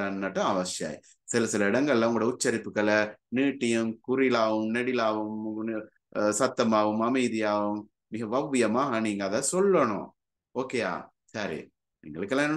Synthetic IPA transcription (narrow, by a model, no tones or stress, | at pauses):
ɐnːɐʈːɐ̃ɐʋɐsja̰ːj̰ | sɪlɐsɪlɐɪɽɐŋɡɐɭɪlɐ̃ʊŋɡɐɭɽɐʊt͡ʃːɐɾɪpːɯkːɐɭɐniːʈːɪjɯmkʊɾɪlaːʋɯmnɛɽɪlaːʋɯm | sɐt̪ːɐmaːʋɯmɐmɐɪðɪjaːʋɯmː | ɪɣɐʋɐʋːɪjɐmaːɦɐniːŋɡɐːðasɔlːɐɳʊ̰̃ | oːkːeːa̰ː | saɾḭ | nḭːŋɡɐɭɯkːɐlːãːn